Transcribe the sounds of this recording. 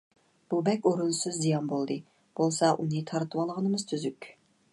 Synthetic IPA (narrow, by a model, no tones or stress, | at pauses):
b̥ubɛkʲoɾunsɨzd̪ijɑnbolˠd̪ɨ | b̥olˠsɑʔunɨt̪ʰɑɾt̪ʰɨwɑlˠəʁənɨmɨzt̪ʰyzykʲ